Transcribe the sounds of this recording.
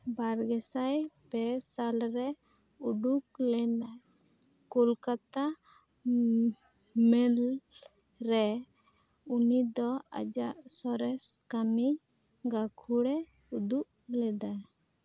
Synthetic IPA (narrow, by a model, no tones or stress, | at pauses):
baɾɡɛsajbɛsalɾɛ | uɖuk̚lɛnaj | kulkat̪a | mɛl | ɾɛ | unid̪ɔa̰d͡ʒaʔsɔɾɛskami | ɡakʰuɽɛ | ud̪uʔ | lɛd̪aj